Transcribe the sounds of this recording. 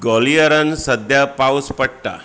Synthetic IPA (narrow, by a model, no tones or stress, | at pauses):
ɡɔlijəɾənsəd̪ʱjapawspəɽ̚ʈ̪a̰